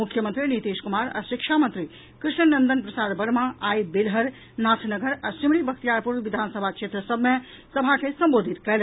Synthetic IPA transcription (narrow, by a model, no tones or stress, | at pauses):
mukʰːjəmənt̪ɾinit̪eːskumaːɾa̰ʃikʃʰamənt̪ɾi | kɾɪʃnənənd̪ənpɾəsaːɾbɐɽmãaːjbilɦəɾ | naːsʰnəɡəɾasimɽibək̚t̪ijaːɾpuɾʋid̪ʱaːnsəbʱakʃʰet̪ɾəsəbme | səbʱakʰesəmboːd̪ʱit̪kɐl